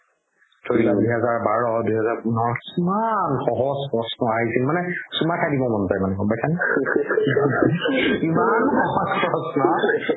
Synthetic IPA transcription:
tʰoɹiladujɦɛzaɹbaɹɔdujɦɛzaɹpunɔɹɔkimanxɔɦɔspɔsnɔaɹisilmanɛsumatʰadibɔmɔntajmanɛkɔbasʰanɛ | imanxɔɦɔsɔɔsnɔ

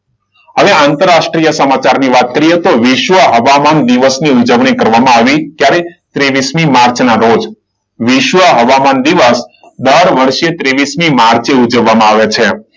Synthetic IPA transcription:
ɦəʋeãnt̪əɾːaʃʈɾijəsəmat͡ʃaɾniʋat̪̚kəɾiet̪oʋiʃʋəɦəʋamand̪iʋəsniud͡ʒəʋɳikəɾʋamãaʋikjaɾet̪ɾeʋismimaɾt͡ʃnaɾod͡ʒ | ʋɪʃʋəɦəʋamand̪iʋəs | d̪əɾʋəɾʃet̪ɾeʋismimaɾt͡ʃeud͡ʒəʋːamãaʋet͡ʃʰe

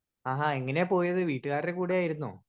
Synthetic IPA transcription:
aːɦaːeŋːɐne̞po̞ːjɐðɨʋiːʈːɨɣaːrekuːɽeaːjiɾunːṵ

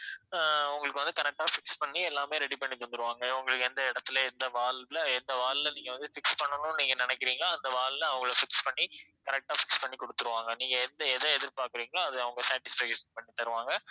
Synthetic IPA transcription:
ʊŋɡɐɭɯkːɯʋɐnd̪ɯkɐɾɛk̚ʈaːfɪkspɐɳːiɛlːaːmeːɾɛɽipɐɳːit̪ɔnd̪ɯɾɯʋaːŋɡɐʊŋɡɐɭɯkːɯɛnd̪ɐɪɽɐt̪ːɯlɐɛnd̪ɐʋaːllɐɛnd̪ɐʋaːllɐniːŋɡɐʋɐnd̪ɯfɪkspɐɳːɐnʊ̃niːŋɡɐnɪnɛkːɪɾiːŋɡɐɭaːɐnd̪ɐʋaːllɐɐʋɐŋɡɐɭɐfɪkspɐɳːikɐɾɛk̚ʈaːfɪkspɐɳːikɔɽɯt̪ːɯɾɯʋaːŋɡɐniːŋɡɐɛnd̪ɐɛðɐɛðɪɾpaːɾkɯɾiːŋɡɐɭaːɐðɯɐʋɐŋɡɐsaːʈɪsfɛːkeʂɐnpɐɳːit̪ːɐɾɯʋaːŋɡɐ

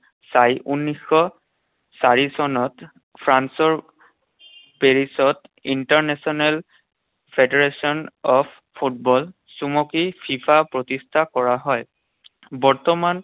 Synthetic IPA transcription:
sajʔunːixːɔ | saɹisɔnɔt | pʰɹansɔɹ | peɹisɔtintaɹnɛsɔnɛl | pʰedeɹesɔnɔpʰ | pʰːut̚bɔl | sumɔkipʰifʰapɹotistʰakɔɹaɦɔj | bɔɹtɔman

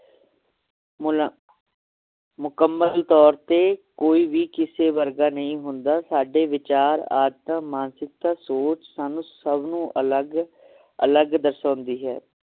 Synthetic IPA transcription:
mʊkəmːəlt̪ɔːɾt̪eːkoːiːʋiːkɪseːʋəɾɡaːnəĩːɦʊnd̪aːsaːɖeːʋɪt͡ʃaːɾa̰ːd̪t̪ãːmaːnsɪk̚t̪aːsoːt͡ʃsaːnũːsəbnũːʔəlɡ | ə̰ləɡd̪əɾsãːnd̪iːɦɛ̰ː

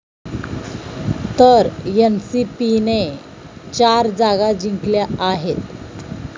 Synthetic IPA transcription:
t̪əɾjənsipine | t͡ɕaɾd͡zaɡad͡ʑiŋkljaaɦet̪

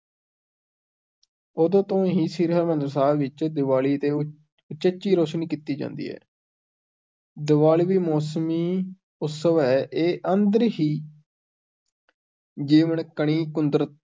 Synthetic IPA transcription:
oːd̪õːt̪õːɦiːsiːɾɦəɾmənd̪ɾsaːʋɪt͡ʃd̪ɪʋaːliːət̪eː | ʊt͡ʃət͡ʃːiːɾoːʃniːkiːt̪ːiːd͡ʒã̰ːnd̪ḭːɦɛ̰ː | d̪ɪʋaːliːʋiːmɔːsmiː | ʊt̪səʋɛːʔeːʔənd̪əɾɦiː | d͡ʒeːʋəɳkəɳiːkʊnd̪ɾət̪̚

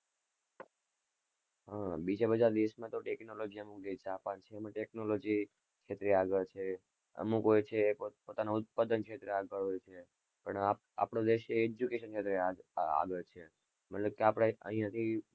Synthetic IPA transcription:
ɦãbid͡ʒabəd͡ʒaɾd̪iəsmãt̪oʈeknolod͡ʒiəmukd̪et͡ʃapant͡ʃʰeːmãʈeknolod͡ʒi | kʰet̪ɾeaɡəlt͡ʃʰe | ə̰mukɦojt͡ʃʰepot̪anoʊt̪̚pad̪ənkʃet̪ɾeaɡəɭɦojt͡ʃʰe | pəɳa | a̰pɳod̪eʃeːd͡ʒukeʃənkʰet̪ɾeaa̰ɡəlt͡ʃʰe | mət̪ləb̚keapɽeə̰ɦijãt̪ʰi

